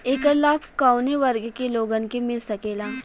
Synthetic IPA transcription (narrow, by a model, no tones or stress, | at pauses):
eːkəɾlaːpʰkaːʊneʋɐɾɡkeloːɡənkemɪlsɐkeːlaː